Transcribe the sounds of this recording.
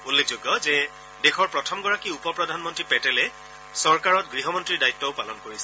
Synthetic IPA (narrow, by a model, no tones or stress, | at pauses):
ulːekʰzoɡːɔzɛ | dexɔɹpɹɔtʰɔmɡɔɹakiupɔpɹɔdʱanmɔntɹipɛtɛlɛ | sɔɹkaɹɔt̚ɡɹiɦɔmɔntɹiɹdaitːɔʊpalɔnkoɹisɛ